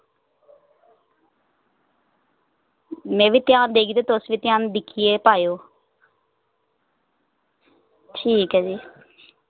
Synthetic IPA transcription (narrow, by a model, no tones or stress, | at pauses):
mɛ̃ːʋiːt̪jaːnd̪eːɡiːt̪eːt̪osʋiːt̪ɪjaːnd̪ɪkʰieːpaːjoː | ʈʰiːkad͡ʒiː